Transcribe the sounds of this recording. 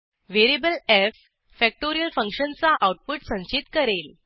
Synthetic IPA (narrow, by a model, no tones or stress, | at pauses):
ʋeɾibəlefː | æk̚ʈoɾijəlfə̃ŋkɕənt͡saʔawʈ̚puʈsə̃nt͡ɕit̪kəɾel